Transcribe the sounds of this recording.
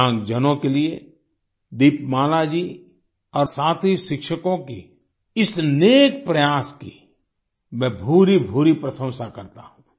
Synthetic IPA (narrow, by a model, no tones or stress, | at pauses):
ãːŋɡd͡ʒənõkelie | d̪iːpmaːlad͡ʒi | ɔːɾsaːt̪ʰɦiʃɪkʃəkõki | ɪsneːk̚pɾɐjaːski | mɛ̃ːbʱuːɾibʱuːɾipɾəsə̃w̃sakɐɾt̪aɦũː